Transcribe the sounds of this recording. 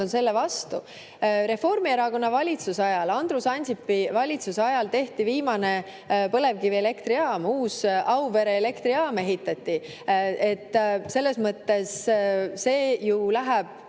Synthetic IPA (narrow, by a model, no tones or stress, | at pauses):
onse̞lːevɑst̪u | ɾe̞fo̞rmieɾɑko̞nːɑvɑlʲit̪susɑjɑlɑnd̪̥rusɑnʲsipːivɑlʲit̪suseɑjɑlt̪e̞ht̪iviːmɑne̞ | pɤle̞vkiviele̞kt̪ɾiɑːmuːsʔɑwve̞ɾeːle̞kt̪ɾiɑːme̞ɦit̪ːˑɑt̪ʲːˑi | e̞t̪ːˑse̞lːe̞smɤt̪ːe̞sː | e̞ːjulæɦæb̥̚